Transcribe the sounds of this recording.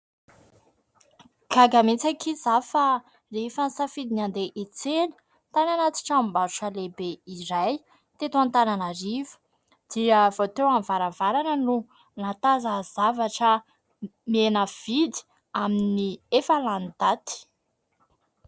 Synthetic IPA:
kaɡamint͡sakizafa | reifansafid̪inand̪eʔet͡seli̥ | t̪ananat̪i̥ʈ͡ʂambazuʈ͡ʂəlebeiɾaj | t̪et̪uant̪ananaɾivə̥ | d̪̥iəv̥ot̪ewanvaɾavaɾanənu | nat̪azəzavaʈ͡ʂə | menəv̥id̪i̥ | aminiefaland̪̥at̪i̥

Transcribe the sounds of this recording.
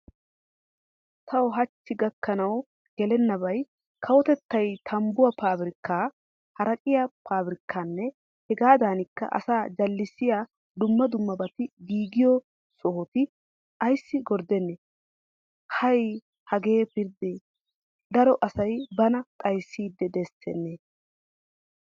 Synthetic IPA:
t̪ʰɐwɦɐt͡ʃːɪɡɐkːɐnɐw | ɡ̥ɛlɛnːɐbɐj | kʰɐwɔt̪ɛt̪ːɐjt̪ʰɐmbʊwɐpaːbɾɪkːaː | hɐɾɐkʼɪjɐpʰaːbɾɪkːaːnːɛ | hɛɡaːd̪aːnɪkːɐ̰ʔɐ̰saːd͡ʒɐlːɪsɪjaː | d̪ʊmːɐd̪ʊmːɐbɐt̪ɪɡiːɡɪjɔ | sɔhɔt̪ɪ | ɐjsːɪɡɔɾd̪ɛnːeː | hɐj | hɐɡe̞ːpɪɾd̪eː | d̪ɐɾɔʔɐsɐjbɐnɐk̪ʼɐjsːiːd̪ːɛd̪ɛsːɛ̰nːeː

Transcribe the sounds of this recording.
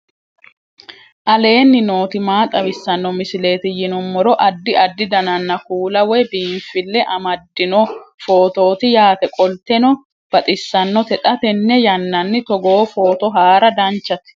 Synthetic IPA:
ʔɐle̞ːnːɪno̞ːt̪ɪmaːt̪ʼɐbɪsːɐnːɔmɪsɪle̞ːt̪ɪjɪnɔmːɔɾɔʔɐd̪ːɪʔɐd̪ːɪd̪ɐnɐnːɐkuːlɐwɛbiːfːɪlːɛʔɐmɐd̪ːɪnɔfo̞ːt̪o̞ːt̪ɪjaːt̪ɛkʼɔlt̪ɛnɔ | b̥ɐt̪ʼɪsːɐnːɔt̪ɛt̪ʼɐt̪ɛnːɛjɐnːɐnːɪt̪ɔɡoːfo̞ːt̪ɔɦaːɾɐd̪ɐnt͡ʃːɐt̪

